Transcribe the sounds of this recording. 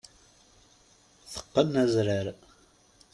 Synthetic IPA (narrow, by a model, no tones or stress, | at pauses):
θə̥qːənæzɾəɾ